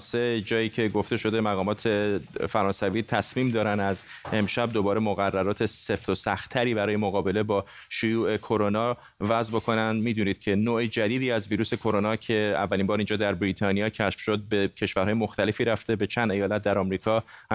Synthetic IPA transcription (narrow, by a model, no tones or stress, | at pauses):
sed͡ʒɒːjiːcʰe̞ɡo̞ft̪e̞ʃo̞d̪e̞mæɣɒːmɒːt̪ʰe̞fæɾɒːnsæviːt̪ʰæsmiːmd̪ɒːɾænd̪æz | e̞mʃæb̚d̪o̞bɒːɾe̞moɣærːæɾɒːt̪ʰe̞se̞ft̪o̞sæxt̪ʰːæɾiːbæɾɒːje̞moɣɒːbe̞le̞bɒː | ʃojuːʔe̞kʰo̞ɾo̞nɒː | væzbo̞kʰo̞nænd̪miːd̪uːniːd̪̥cʰe̞noːʔed͡ʒæd̪iːd̪iːæzviːɾuːse̞kʰo̞ɾo̞nɒːcʰe̞æ̰vːælimbɒːɾind͡ʒɒːd̪æɾbɾiːt̪ʰɒːnijɒːcʰæʃfʃod̪̚be̞cʰe̞ʃvæɾhɒːjemo̞xt̪æle̞fiːɾæft̪e̞be̞t͡ʃʰænd̪e̞jɒːlæt̪̚d̪æɾɒːmɾiːkʰɒː